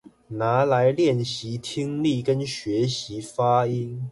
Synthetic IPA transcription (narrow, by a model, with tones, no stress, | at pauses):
na˧˥˦la˧˥ɪljɛ˥˨˩nɕi˨˦t̪ʰi˥ŋli˥˨kə˦nɕɥɛ˨˧˥ɕi˨˥˦fa˥i˥n